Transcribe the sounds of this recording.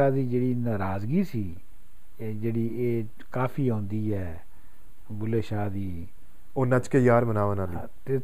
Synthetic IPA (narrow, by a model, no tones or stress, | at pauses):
aːd̪iːd͡ʒeːɽiːnaːɾaːzɡiːsiː | d͡ʒeːɽiːeː | kaːpʰiːõːnd̪iːɛː | bʊleːʃaːd̪iː | oːnãt͡ʃkejaːɾmənaːʋəːnaːliːt̪eː